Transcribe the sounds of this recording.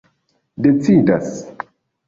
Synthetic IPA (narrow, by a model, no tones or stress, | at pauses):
det͡sidas